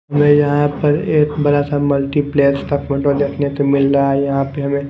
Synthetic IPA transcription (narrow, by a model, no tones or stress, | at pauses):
ɦɐmẽjɐɦãpɐɾeːkbɐɾasamɐlʈipleːsʈaːkmẽʈõd̪eːkʰnesemɪlɾaɛjɐɦãpeɦɐmẽ